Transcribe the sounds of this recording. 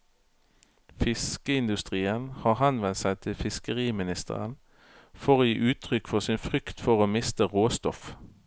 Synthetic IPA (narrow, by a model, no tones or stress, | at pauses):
fɪskəɪnd̪ʉst̪ʁiːənhɑːʁhɑnʋɛnt̪sæɪt̪ʰɪlfɪskəʁiːmɪnɪst̪ʰə̰ʁə̰n | fɔʁoːjḭːʔʉːt̪ʰʁʏkfɔʁsɪnfʁʏkt̪fɔʁoːmɪst̪əʁoːst̪ɔf